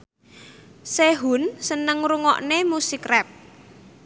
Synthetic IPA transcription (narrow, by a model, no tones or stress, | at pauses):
seɦunsənəŋɾuŋɔ̰ʔnemusikrɛp̚